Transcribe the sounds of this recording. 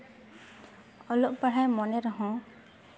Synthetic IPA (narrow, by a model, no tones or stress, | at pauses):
ɔlɔʔpaɽajmɔnɛɾɔɦɔ̃